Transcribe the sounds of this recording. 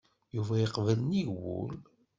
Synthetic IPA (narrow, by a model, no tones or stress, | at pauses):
juvæjiqvəlniʝwṵl